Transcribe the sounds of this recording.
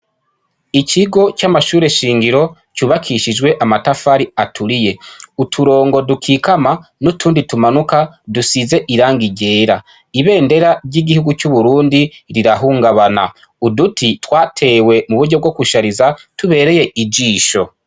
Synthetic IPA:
iciɡo̞camaʃuːɾe̞ʃiːŋɡiɾo̞ | cuːβakʰiʃid͡ʒɡwe̞ʔamatafaɾiatʰuɾije̞utʰuɾo̞ːŋɡo̞dukʰikamanutʰuːnditumanuka | dusize̞ʔiɾaːŋɡiɟe̞ːɾa | iβe̞ːnde̞ɾaɾɟiɡihuɡucuβuɾuːndiɾiɾaɦuːŋɡaβana | udutʰitwaːtʰe̞ːwe̞muβuɾɟo̞b̚ɡo̞kuʃaɾizatuβe̞ːɾe̞je̞ʔid͡ʒiːʃo̞

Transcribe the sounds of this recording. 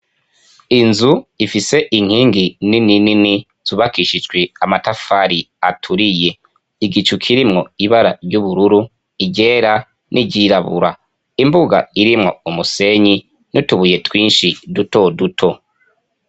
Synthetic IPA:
inzuifise̞ʔiŋ̥hiːŋɡinininini | z̥uβakiʃit͡ʃɡweamatafaɾi | atʰuɾije̞ | iɡit͡ʃukʰiɾimŋo̞iβaɾaɾɟuβuɾuɾu | iɟe̞ːɾa | nʔiɟiɾaβṵɾa | imbuɡa̰iɾimŋo̞umuse̞ɲi | nutuβuje̞twiːnʃiduto̞dutʰo̞

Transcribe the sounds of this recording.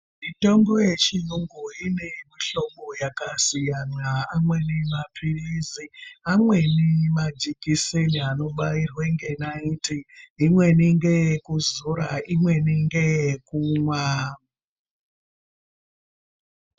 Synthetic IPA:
mito̞mbo̞jet͡ʃijuŋɡuine̞miɬo̞mojakasijanaamwe̞nemapʰiriziamwe̞nemad͡ʒikiseniano̞ɓairweŋɡe̞naintiimwe̞niŋɡejekuzuɾa̰imwe̞niŋɡejekuŋwa

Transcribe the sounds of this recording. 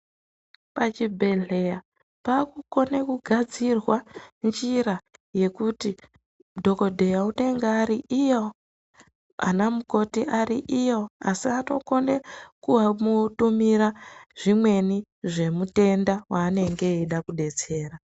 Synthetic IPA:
pat͡ʃibʱe̞ɮe̞ja | paːkuko̞ne̞kuɡʱad͡zirwand͡ʒiɾaje̞kuti | dʱo̞ko̞dʱe̞jaute̞ŋɡaːɾiʔijo | a̰namuko̞tiʔaɾiʔijo̞a̰siato̞̰ko̞nekuʋamutumiɾaʐ̥imwe̞ni | ʐe̞mute̞ndawaːne̞ŋɡe̞iɗakuɗe̞t͡se̞ːra

